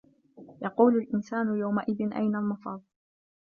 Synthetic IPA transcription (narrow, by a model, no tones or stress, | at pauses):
jɑquːlʊlʔɪnsaːnʊjawmaʔɪðɪnʔa̰jnalmɑfɑːðˤ